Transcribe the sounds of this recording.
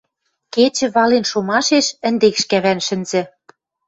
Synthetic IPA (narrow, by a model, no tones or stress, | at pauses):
ket͡ɕɘ̆βɑlenʃomɑʃeʃə̆nd̪ekʃkæβænʃɘ̆nzɘ̆